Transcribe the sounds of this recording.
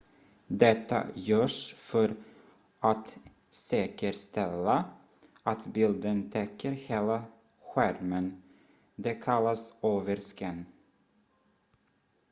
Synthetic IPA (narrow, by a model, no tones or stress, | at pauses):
d̪ɛt̪ːa̰jœːʂfœɾ | ʔat̪ | sɛːkəɾst̪ɛlːa | at̪bɪld̪ənt̪ʰɛkʰːəɾheːla | ɧæɾmən | d̪ɛkʰalːasøːvəɾskən